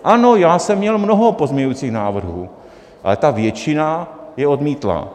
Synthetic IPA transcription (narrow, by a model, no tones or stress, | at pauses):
ʔanojaːsɛmːɲɛlmnoɦo̞po̞zmɲɛɲujt͡siːxnaːvr̩ɦuː | ʔa̰lɛt̪avjɛt͡ʃɪnajɛo̞d̪miːt̪la̰ː